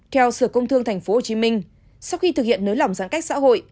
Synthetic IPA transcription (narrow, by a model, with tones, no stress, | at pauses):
t̪ʰɛ˧wsɨː˧˩kə˧wŋ͡mt̪ʰɨ˧əŋt̪ʰa˨˩jŋ̟fo˨˦ho˨˩t͡ɕi˨˦mï˧ŋ̟ | sa˧wxi˧t̪ɨ˨˩ḭ˧˨ənːəː˨˦jla˨˩wŋ͡mza̰ː˧˥ŋka˦˥jk̚sa̰ː˧˥ɦo̰˧˨j